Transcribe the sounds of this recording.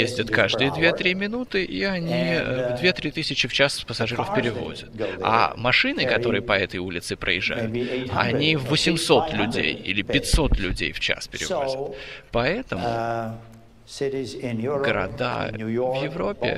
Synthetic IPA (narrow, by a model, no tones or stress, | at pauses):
jezʲdʲət̪kaʐd̪ɨjəd̪vʲe̞t̪ɾʲimʲɪnut̪ɨʔiɐnʲivd̪vʲe̞t̪ɾʲit̪ɨsʲɪt͡ɕɪft͡ɕaspəsɐʐɨɾəfpʲɪɾʲɪvo̞̰zʲət̪ɡɐ̰mɐʂɨnɨkɐt̪o̞ɾɨjəpɐɛt̪əjulʲɪt̪sɨpɾʔə̰jɪʐːa̰jʊ̰t̪ɐ̰nʲivːəsʲɪmso̞t̪lʲʉdʲḛjḭlʲɪppʲɪtʲso̞t̪lʲʉdʲḛjft͡ɕa̰spʲɪɾʲɪ̰o̰zʲət̪pɐɛt̪əm | ɡəɾɐ̰d̪a̰vjɪvɾo̞pʲːɪ̰